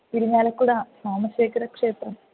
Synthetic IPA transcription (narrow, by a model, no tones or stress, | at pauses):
t̪iɾiɲːaːlɐkːuɽɐsaːmɐsjɐkɐɾɐkʂe̞ːt̪rɐm